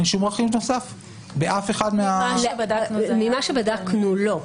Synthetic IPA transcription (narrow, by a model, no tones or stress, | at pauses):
nʃumʁaχimnosaf | beʔafe̞χadmeadamimaʃebadaknulo̞